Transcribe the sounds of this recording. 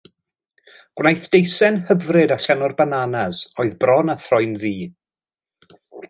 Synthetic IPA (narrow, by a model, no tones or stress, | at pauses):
ɡ̥wnajθd̥ejsɛnhəvrɨdaɬanɔrbananasɔɨðbrɔnaθrɔjnðiː